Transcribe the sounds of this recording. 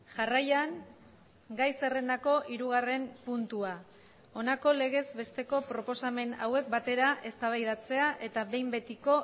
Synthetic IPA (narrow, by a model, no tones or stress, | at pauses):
ʝarajaŋ | ɡajse̞re̞nd̪ako̞ʔiɾuɣ̞are̞mpunt̪ua | o̞nako̞le̞ɣ̞e̞zbe̞st̪e̞ko̞pɾo̞po̞same̞na̰we̞k̚bat̪e̞ɾaʔe̞st̪aβajð̞at͡se̞aʔe̞t̪aβe̞jmbe̞t̪iko̞